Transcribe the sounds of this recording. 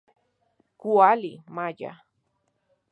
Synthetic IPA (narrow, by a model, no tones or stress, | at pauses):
kualimaʎa̰